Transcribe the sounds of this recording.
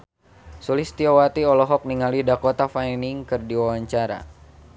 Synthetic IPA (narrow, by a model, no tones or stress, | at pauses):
sulist̪iɔwat̪iɔlɔɦɔk̚niŋalidakɔt̪afajniŋkɨrdiwawaɲt͡ʃaɾa̰